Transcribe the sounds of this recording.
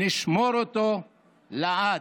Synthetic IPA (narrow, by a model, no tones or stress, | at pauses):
iʃmoɾot̪o | laa